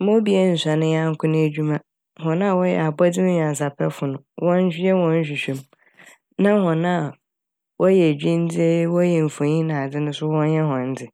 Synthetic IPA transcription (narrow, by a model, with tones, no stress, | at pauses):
mõ˦bi˦e˦n̩˨sa˨nɪ̃˦ja˦ŋ̩˦kʰʊ̃˦nɪ̃˦e˦d͡ʑᶣu˦mã˦ | hɔ̃˨nã˦˨wɔ˦jɛ̰˨a˨ba˦dɪ˦nʊ̃˦ɲᶣ˨ã˨n˨s̬a˨pʰɛ˦fʊ˨nʊ̃˨wʔɔ̃˦n̩˦ɕɛ˦wɔ̃˦n̩˦ɕ̬ᶣi˨ɕᶣɛ̃˦m | nã˦hɔ̃˨nã˦˨ | wɔ˦jɛ˨æ˨d͡ʑᶣĩ˦n̩˦d͡zi˦e˦wɔ˦jɛ˨m̩˨fõ˨ɲĩ˦nã˨dɪ˦nʊ̃˦sʊ˦wɔ̃˦n˦jɛ˦hɔ̃˨n̩˦dɪ˨